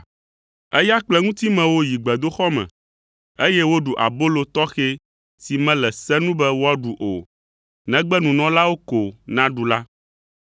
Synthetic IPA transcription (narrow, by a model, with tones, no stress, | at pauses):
e˦ja˦k͡plɛ˦ŋũ˦t̪i˦mɛ̃˨wo˦ji˨ɡ͡bɛ˨d̪o˦xɔ˦mɛ̰̃˨ | e˦jɛ˦wo˦ɖu˨ʔa̰˨bo˦lo˨t̪ɔ˦xe˦ | si˨mɛ̃˦lɛ˨sɛ˦nũ˦bɛ˦wo˦a˦ɖu˨ʔo˨ | nɛ̃˦ɡ͡bɛ˦nũ˨nɔ̃˦la˦wo˦ko˨nã˦ɖu˨la˦